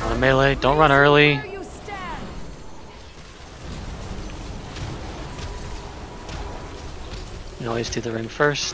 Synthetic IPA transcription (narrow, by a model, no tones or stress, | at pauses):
ə̃meɪled̥õʊ̃nʔ̚ɹʌ̃ɾ̃nɜ˞lˠi | nɔɪz̥tʰɨðɨɹɪ̃ŋfɜ˞s